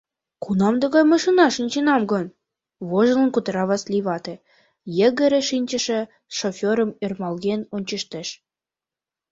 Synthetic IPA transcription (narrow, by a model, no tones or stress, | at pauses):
kunɑmd̪ɤ̆ɣɑjmɤʃinɑʃənʲt͡ɕenɑmɡɤn | βoʒɤ̆lə̆nkut̪ɾɑβɑsliβɑt̪ĕ | jĕɣə̆ɾĕʃinʲt͡ɕə̆ʃĕ | ʃofʲoɾə̆mørmɑlɣenonʲt͡ɕə̆ʃt̪eʃ